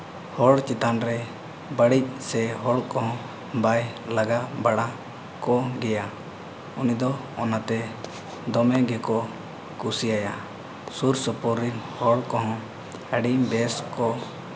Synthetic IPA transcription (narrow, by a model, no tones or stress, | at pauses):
hɔɽt͡ʃit̪anɾɛ | bəɽic̚ˀsɛɦɔɽkɔɦɔ̃ | bajlaɡabaɽa | kɔɡɛja | unid̪ɔ | ɔnat̪ɛ | d̪ɔmɛɡɛkɔ | kusijaja | suɾsɔpɔɾinhɔɽkɔɦɔ̃ | əɖimbɛskɔ